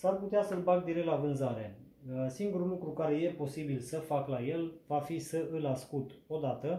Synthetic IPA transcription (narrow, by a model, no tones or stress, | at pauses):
sarput̪easəlbak̚d̪iɾekt̪lavɨnzaɾe̞ | siŋɡuɾulukɾukaɾe̞je̞po̞sibilsəfaklaje̞lvafisəɨlaskut̪o̞d̪at̪ə